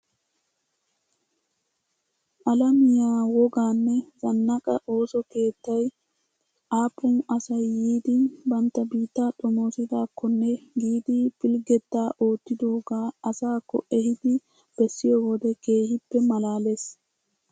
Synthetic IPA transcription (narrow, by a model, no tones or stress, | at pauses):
ʔɐlɐmɪjaːwɔɡaːnːɛzɐnːɐkʼɐʔo̞ːsɔke̞ːt̪ːɐj | ʔaːpʼːʊnɐsɐjːiːd̪ɪbɐnt̪ːɐbiːt̪ːaᶑ̪ʼɔmo̞ːsɪd̪aːkːɔnːɛɡiːd̪ɪfɪlɡɛt̪ːaːʔo̞ːt̪ːɪd̪o̞ːɡaːɐsaːkːɔ̰ʔɛhɪd̪ɪ | b̥ɛsːɪjoːwɔd̪ɛke̞ːhɪpːɛmɐlaːles